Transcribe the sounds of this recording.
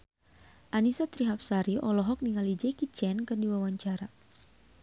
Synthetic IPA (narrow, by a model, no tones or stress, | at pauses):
ʔanisɔt̪ɾiɦap̚saɾiʔɔlɔɦɔk̚niŋalid͡ʒɛkit͡ʃɛnkɨrdiwawaɲt͡ʃaɾa